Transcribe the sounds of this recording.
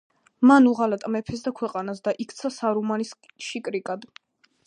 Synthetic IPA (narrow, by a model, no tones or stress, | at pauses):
manuʁalat̪ʼmɛpʰɛs̬d̪akʰwɛqʼanasd̪aʔikʰt̪sʰasaɾumanis | ʃikʼɾikʼad̪